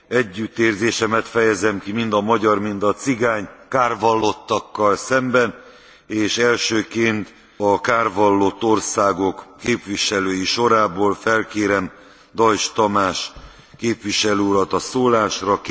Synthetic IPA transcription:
ɛɟːyt̪ːeːrzeːʃɛmɛt̪fɛjɛzɛmkimind̪ɒmɒɟɒrmind̪ɒt̪siɡaːɲkaːrvɒlːo̞t̪ːɒkːɒlsɛmbɛn | eːʃɛlʃøːkeːnt̪ | ɒkaːrvɒlːo̞t̪ːo̞rsaːɡo̞kːeːpʋiʃɛløːjiʃo̞ɾaːboːlfɛlkeːɾɛm | d̪ɒjʃt̪ɒmaːʃ | keːpʋiʃɛløːuɾɒt̪ɒsoːlaːʃrɒk

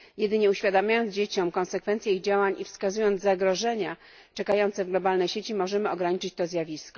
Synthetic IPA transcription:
jɛd̪ɘɲɛuɕfʲjad̪amʲjajɔnd̪zd͡ʑet͡ɕɔmkɔ̃nsɛkfɛnt̪sʲjɛiɣd͡ʑawaɲʔifskazujɔnt̪aɡɾɔʐɛɲa | t͡ʂɛkajɔnt̪sɛvɡlɔbalnɛjɕet͡ɕimɔʐɛmɘɔɡɾaɲit͡ʂɘt͡ɕt̪ɔzʲjavʲiskɔ

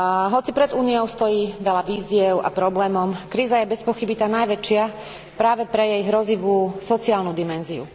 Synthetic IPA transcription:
ɦɔt͡sipɾɛd̪uːnijɔʊst̪ɔjiːʋɛlaʋiːziɛʊa̰pɾɔblɛːmɔmkɾiːzajɛbɛspɔxibit̪aːnajʋɛt͡ʃɪa | pɾaːʋɛpɾɛjɛjɦɾɔziʋuːsɔt͡siaːlnud̪imɛnziṵ

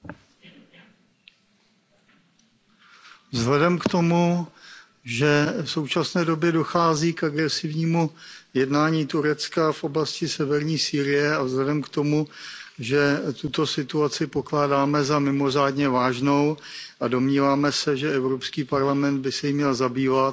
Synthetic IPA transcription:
vzɦlɛdɛmkt̪o̞mu | ʒɛfso̞wt͡ʃasnɛːdo̞bjɛdo̞xaːziːkaɡɾɛsɪvɲiːmujɛdnaːɲiːt̪uɾɛt͡skafʔo̞blascɪsɛvɛɾɲiːsiːɾɪjɛavzlɛdɛmkt̪o̞muʒɛt̪ut̪o̞sɪt̪uat͡sɪpoklaːdaːmɛzamɪmo̞r̝aːdɲɛvaːʒno̞wʔado̞mɲiːvaːmɛsɛʒɛɛvɾopskiːpaɾlamɛnd̪̚bɪsɛjimɲɛlzabiːvat̪

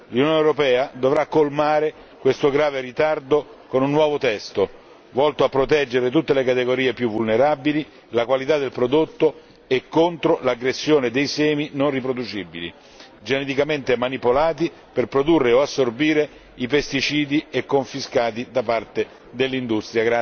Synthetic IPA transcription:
lunjoːnewɾopɛːad̪ovɾakːolmaːɾe | kwest̪oɡɾaːveɾit̪ard̪okonunːwɔːvot̪ɛst̪o | vɔlt̪oapːɾot̪ɛd͡ʒːeɾet̪̬ut̪ːelekat̪eɡoɾiːepjuvːulneɾabili | lakwalit̪ad̪ːelpɾod̪ot̪ːo | ekːont̪ɾolaɡɾesːjoːned̪ejsɛːminonrip̬ɾod̪ut͡ʃibḭlḭ | d͡ʒened̪ikament̪emanipolaːt̪̬i | perpɾod̪urːeoasːorbiːɾe | ipest̪it͡ʃiːd̪iekːoɱfiskaːt̪̬id̪apart̪e | d̪elːind̪ust̪ɾjaɡɾa

